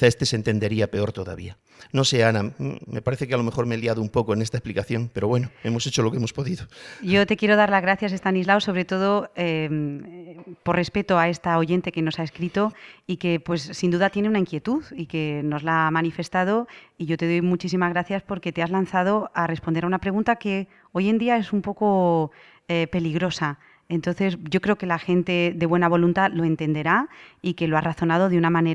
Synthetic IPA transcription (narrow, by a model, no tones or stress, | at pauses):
aest̪esent̪e̞nd̪e̞ɾiape̞o̞ɾt̪o̞ða̰βḭa | no̞se̞anaːe̞̰paɾeθe̞kealo̞me̞xo̞ɾmeliaðoumpo̞koene̞st̪aesplikaθjo̞ŋpe̞ɾo̞βwe̞noe̞mo̞set͡ʃo̞lo̞keemo̞spo̞ðiðoʝo̞t̪e̞kje̞ɾo̞ð̞aɾlazɣɾaθjase̞st̪anizlaoso̞β̞ɾe̞t̪o̞ð̞o̞ | po̞rre̞spe̞t̪oae̞st̪aoʝe̞nt̪e̞ke̞no̞sae̞skɾit̪o̞ike̞pwe̞sːind̪uðat̪je̞neunaiŋkje̞t̪uðike̞no̞zlamanife̞st̪að̞o̞iʝo̞t̪e̞ð̞o̞jmut͡ʃis̬imazɣɾaθjaspo̞ɾke̞t̪eazlan̟θað̞o̞are̞spo̞nd̪eɾaunapɾeɣũnt̪ake̞ | o̞je̞nd̪iae̞sumpo̞ko | epe̞liɣɾo̞sa | e̞nt̪o̞nθe̞sʝo̞kɾe̞okelaxe̞nt̪e̞ðe̞βwe̞naβ̞o̞lunt̪alo̞e̞nt̪e̞nd̪e̞ɾaike̞lo̞araθo̞nað̞o̞ð̞eunamãne